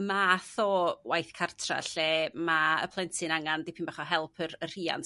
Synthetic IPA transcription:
maθɔwajθkʰartʰra̰ɬeːmaə̰pʰlˠɛntʰɨnaŋandipʰiːnbaχɔɦɛlˠpʰərər̥iːa̰nt

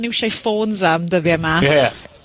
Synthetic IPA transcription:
nɪwʃajfoːnzamdəðjɛma

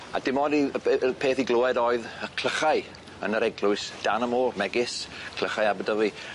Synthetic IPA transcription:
a̰dɪmɔdipʰeːθiɡlˠoːɛɾɔːɨðəkʰl̥ˠəχaɨ | ə̰nəɾɛɡlˠʊɨsd̥anəmoːrmɛɡɪskʰl̥əχaɨabədəvi

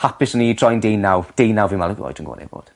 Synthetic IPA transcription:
hapɪsɔnitʰrɔjndejnawd̥ejnawvɪmalˠəɡɔ̰jtʰənɡo̰ːnɛ̰bo̰ːd̥

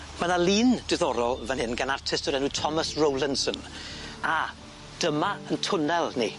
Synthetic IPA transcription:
manalˠiːnd̥ɪðɔɾɔlˠvɛnhɪnɡanartʰɪstɔɾɛnuɨtʰɔməsrowlˠɪnsəna | d̥əmaəntʰʊnɛlˠnḭ

